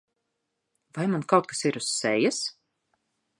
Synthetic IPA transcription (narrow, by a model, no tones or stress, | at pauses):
vajmankawt̪̚kḁsiɾusːɛjas